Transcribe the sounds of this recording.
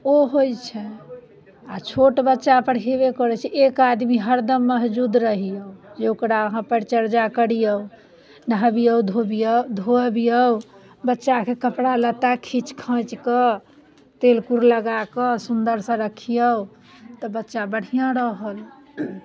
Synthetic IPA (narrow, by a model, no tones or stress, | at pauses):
oɦojt͡ʃʰɛ | at͡ʃʰoʈbətːʃapəɽɦebekəɾɛt͡ʃʰiʔekad̪miɦəɾd̪əmːəsd͡ʒud̪ɾəɦijəud͡ʒeokɾaəɦãpəɾt͡ʃəɾd͡ʒakəɽijəu | nəɦbijəwd̪ʱobijəd̪ʱobijə | bətːʃakekəpɽalət̪akʰit͡ʃkʰə̃t͡ʃkə | t̪elkuɾləɡakəsund̪əɾsə̃ɾəkʰijəu | t̪ɔbətːʃabəɽ̤ijãɾəɦəl